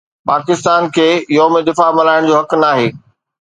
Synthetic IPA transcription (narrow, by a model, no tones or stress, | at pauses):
paːkɪst̪aːnkʰeːjɔːmẽd̪ɪfamɐlaːɪɽ̃d͡ʑoːɦɐknaːɦeː